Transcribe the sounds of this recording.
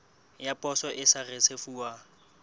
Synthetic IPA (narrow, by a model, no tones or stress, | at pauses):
japʼɔsɔʔɪsaresefuːa